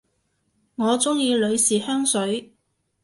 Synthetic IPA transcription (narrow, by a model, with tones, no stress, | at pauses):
ŋɔː˨˧t͡sʊ˥ŋjiː˧lɵ˨˧ɥsiː˨˩hœː˥ŋsɵ˨˥ɥ